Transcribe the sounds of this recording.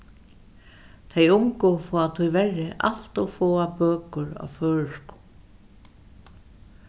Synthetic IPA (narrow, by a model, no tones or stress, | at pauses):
t̪ʰejʊŋkʊfɔːat̪ʰujvɛrːɪʔa̰l̥t̪ɔfɔːapœːkʊɹa̰wfœːɻʏskʊ̥